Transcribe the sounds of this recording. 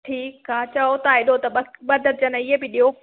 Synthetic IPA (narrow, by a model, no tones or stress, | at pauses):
ʈʰiːkːaːt͡ɕɐot̪aɪɗot̪ɐɐɓɐd̪ʱəɾd͡ʑɐnɪɦebɪɗiɦo